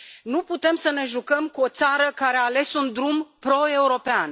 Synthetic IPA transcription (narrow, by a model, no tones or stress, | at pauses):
nuput̪e̞msəne̞ʒukəmkuo̞t̪saɾəkaɾe̞aːle̞sund̪ɾumpɾo̞e̞uɾo̞pean